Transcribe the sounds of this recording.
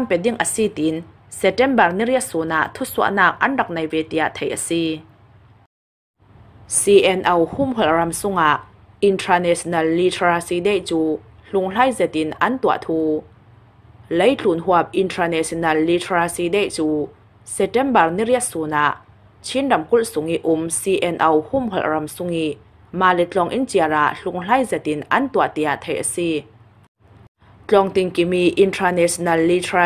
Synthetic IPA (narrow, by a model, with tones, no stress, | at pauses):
sa˥mpɛ˨di˥˨ŋʔə˨si˦˨t̪i˨n | sɛ˨tɛ˦˨mbɐ˨rni˦ri˥ət̪̚su˨na˨ʔt̪ʰu˥su˥əʔnaː˥˧k̚ʔɐ̰˦nrɐ˨k̚nɐ˨jvɛ˨t̪i˨a̰˨ʔt̪ʰe˨jʔəsi˥ | si˧ʔɛ˧nʔo˨whʊ˥mɦɔ˨lʔrɐ˨msʊ˥ŋa˨ʔ | ʔi˨ntʰa˧nɛ˨sɔ˨nɐ˨lːi˧tʰra˧si˧de˦˨jt͡suː˦ | ɬu˨ŋl̥a˥˨jzɛ˨t̪i˨nʔɐ˦˨nt̪u˧a̰ʔt̪ʰuː˦ | le˦jt͡ɬu˨nɦu˦əp̚ʔi˧˨ntʰa˧nɛ˨si˧˨nɐ˧˨lːi˧tʰra˧si˧dɛ˦˨jt͡suː˦ | sɛ˨tɛ˦˨mbɐ˨rni˦˨ri˥ət̪̚suː˨na˧ʔ | t͡sʰi˦˥ndɐ˨mku˥lsʊ˨ŋi˦ʔʊ˧˨msi˧ʔɛ˧nʔɔ˧whu˥mɦɔ̰˨lʔrɐ˨msʊ˧˥ŋi˦ | maː˨lɛ˧t͡ɬɔ˧˨ŋʔi˦˥nt͡si˧əra˧˨ʔɬu˧˨ŋl̥a˥jzɛ˨t̪̚ʔi˧˥nʔɐ˧˨nt̪u˧a˨ʔt̪i˨a˨t̪ʰe˨jʔəsi˥ | t͡ɬɔ˧˨ŋt̪i˧˨ŋki˨mi˧ʔi˧ntʰa˧nɛ˧sɔ˨nɐ˧˨lːi˧tʰa˧